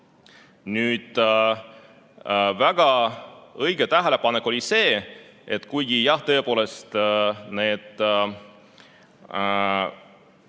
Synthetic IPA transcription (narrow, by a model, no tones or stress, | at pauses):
nyːd̪̥ | væɡ̥ɑ | ɤjɡ̥et̪æɦele̞pɑnekːˑo̞lʲise̞ː | e̞t̪ːˑkujɡ̥ijɑht̪ɤ̞epo̞ːle̞st̪ne̞ːd̪̥